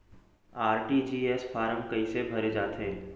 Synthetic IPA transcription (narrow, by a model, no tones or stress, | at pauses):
aːɾʈid͡ʒiːesfaːɾə̃mkɐisebʱɐɾed͡ʒaːt̪eː